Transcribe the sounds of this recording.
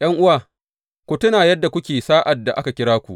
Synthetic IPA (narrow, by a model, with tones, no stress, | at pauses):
j̰ɐ˦ŋʔʊ˦waː˨ | kʷu˨tʊ˦naː˨jɐ˦dːa˨kʷʊ˦kʲeː˨saː˦ʔa˨dːa˨ʔa˦ka˨kʲɪ˦ɽaː˦kʷu˨ʔ